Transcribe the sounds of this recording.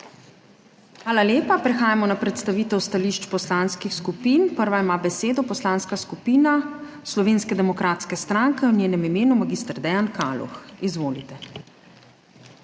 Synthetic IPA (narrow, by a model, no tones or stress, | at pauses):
xʋaːlaljeːpapɾɛxaːjamɔnapɾɛt̪st̪aʋiːt̪ɛwst̪aliːʃt͡ʃpɔslanskixskupiːnpəɾʋaimaːbɛseːd̪ɔpɔslaːnskaskupiːna | slɔʋeːnskɛd̪ɛmɔkɾat̪skɛst̪ɾaŋkɛwnjeːnɛmimeːnumaɡiːst̪ɾd̪ɛjankalṵxizʋoːlit̪ɛ